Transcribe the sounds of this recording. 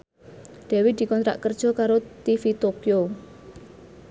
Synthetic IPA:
ɖ̪̥ɛ̤wid̪̥i̤kɔnt̪ɾa̰ʔkərd̥ʒ̥ɔ̤kaɾot̪ifit̪okjo

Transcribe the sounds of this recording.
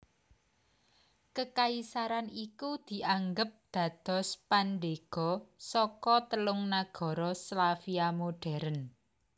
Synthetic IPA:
kəkaisaɾanikud̪̥i̤ʔaŋɡəp̚d̪̥ä̤d̪̥ɔ̤spanɖeɡ̥ɔ̤sɔkɔt̪əlʊŋnaɡ̥ɔ̤ɾɔslafiamoɖ̥ɛ̤ɾən

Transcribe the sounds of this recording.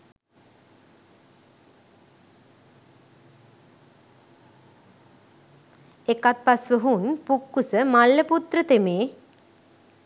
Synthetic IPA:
ekat̪̚pasʋəɦunpukːusəmalːəput̪rət̪emeː

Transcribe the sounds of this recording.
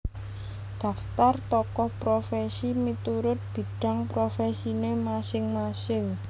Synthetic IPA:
d̪̥a̤ft̪art̪ɔkɔhpɾofɛsimit̪uɾʊt̪̚b̥i̤ɖ̥a̤ŋpɾofɛsinemasɪŋmasɪŋ

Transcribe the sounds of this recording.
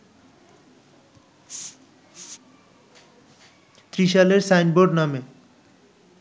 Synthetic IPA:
t̪ɾiʃaleɾsajnboɖname

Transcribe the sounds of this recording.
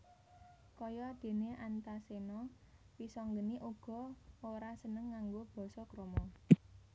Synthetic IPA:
kɔjɔd̪̥e̤neʔant̪asenɔ | pisɔŋɡəniʔuɡ̥ɔ̤oɾasənəŋːaŋɡob̥ɔ̤sɔkɾomɔ

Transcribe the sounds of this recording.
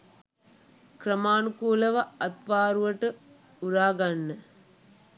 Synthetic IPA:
kɾɐmaːnukuːlɐʋɐɐt̪paːɾuʋɐʈɨ | uɾaːɡɐnːɨ

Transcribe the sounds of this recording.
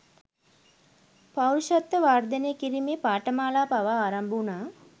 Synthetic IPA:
pawʃat̪ːəʋaːrd̪əneːkiɾimeːpaːʈəmaːlaːpaʋaːɾambunaː

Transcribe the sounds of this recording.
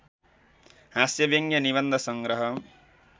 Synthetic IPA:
ɦasjʌbʌŋɡjʌniβʌnd̪ʱʌsʌŋɡɾʌɦʌ

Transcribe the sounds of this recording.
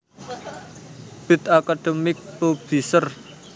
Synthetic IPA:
b̥ɪ̤t̪akad̪̥emɪk̚pob̥isər

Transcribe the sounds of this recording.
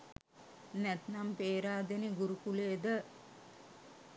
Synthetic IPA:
nɛt̪nampeːɾaːd̪eniɡuɾukuleːd̪ə

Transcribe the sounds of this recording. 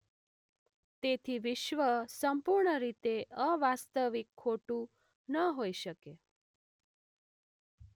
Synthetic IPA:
t̪et̪ʰiʋɪʃʋəsəmpuɾɳəɾit̪eʔəʋast̪əʋikʰːoʈũ | nəɦoiʃəke

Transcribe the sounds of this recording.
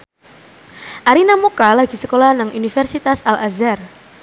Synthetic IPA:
ʔaɾinamukalaɡisəkolahnaŋunifɛrsit̪asalʔazɛr

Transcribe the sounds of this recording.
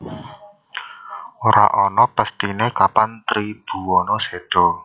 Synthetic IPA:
oɾa̰ʔɔnɔpəst̪inekapant̪ɾib̥ṳwɔnɔseɖ̥ɔ

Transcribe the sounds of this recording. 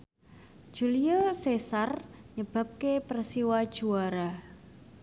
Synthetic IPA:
d̥ʒ̥uliɔsesarɲəb̥a̤p̚kepərsiwad̥ʒ̥uaɾa

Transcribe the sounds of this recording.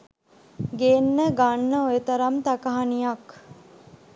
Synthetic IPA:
ɡeːnːəɡanːəojet̪ɐɾɐmt̪ɐkɐɦanijɐk

